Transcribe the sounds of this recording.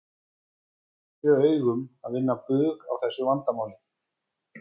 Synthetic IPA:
svœːœːɥɣʏmaðvɪnːapʏːɣawθɛsːʏvant̪amaːwlɪ

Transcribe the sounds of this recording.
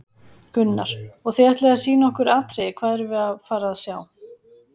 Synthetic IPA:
kʏnːaɾ̥ɔɣθɛɛht̪lɛɣasiːnaɔhkʏɾaːt̪ɾejɪkʰv̥aːðɛɾɪvɪðafaːɾaðaðsjaːw

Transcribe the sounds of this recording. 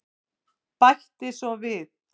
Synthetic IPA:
pajht̪ɪsɔvɪð

